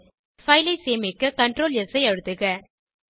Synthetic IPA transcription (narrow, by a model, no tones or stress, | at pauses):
fɐɪlɐɪseːmɪkːɯkɐɳʈɾoːlɛsɐɪɐɻɯt̪ːɯɣɐ